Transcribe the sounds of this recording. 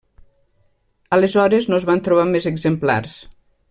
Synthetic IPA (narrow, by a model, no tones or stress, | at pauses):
əlezɔɾeznozβant̪ɾuβ̞amezeɡzempla̰rs